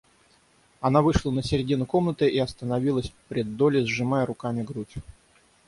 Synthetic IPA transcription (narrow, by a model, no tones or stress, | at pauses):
ɐnavɨʂlˠənəsʲɪɾʲɪdʲinʊko̞mnət̪ɨʔiɐst̪ənɐvʲilˠəsʲpɾʲɪd̪ːo̞lʲɪzʐɨmajəɾʊkamʲɪɡɾutʲ